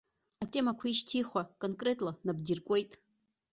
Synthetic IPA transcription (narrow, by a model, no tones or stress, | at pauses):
atʼemakʷʰiʃtʰiχʷakʼonkʼre̞tʼlanab̚dirkʷʼe̞jtʼ